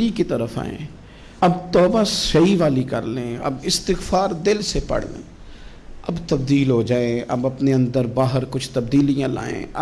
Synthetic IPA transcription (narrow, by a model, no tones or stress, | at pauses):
likit̪əɾəfa̰ːḛ̃ː | ɐbt̪ɔːbasəiʋaːlikə̰ɾlẽːɐ̰bɪst̪ɪxfaːɾd̪ɪlsepə̰ɽlḛ̃ː | ɐbt̪ɐbd̪iːlɦod͡ʒaːẽɐ̰bɐpneə̃nd̪əɾbaːɦəɾkʊt͡ʃʰt̪ɐbd̪iːlijãːla̰ːḛ̃ː